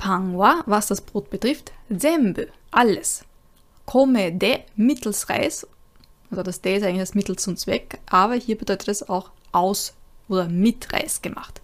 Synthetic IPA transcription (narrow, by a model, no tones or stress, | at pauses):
pʰaŋwavasd̥asb̥ʁoːt̚b̥ətʁ̥ɪftzɛmbøʔaləs | kʰɔmedɛmɪtʰl̩sʁa̰ɪs | ʔoːdɐdasd̥ɛːɪstʔaɪŋlɪçd̥asmɪtl̩st͡sʊmt͡sv̥ɛkʔaːbɐhiːɐbədɔʏtə̥tɛsa̰ʊxʔaʊsʔoːdɐmɪtʁa̰ɪsɡ̥əmʔa̰χt